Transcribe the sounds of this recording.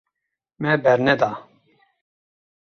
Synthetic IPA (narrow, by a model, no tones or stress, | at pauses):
mɛbɛɾnɛd̪aː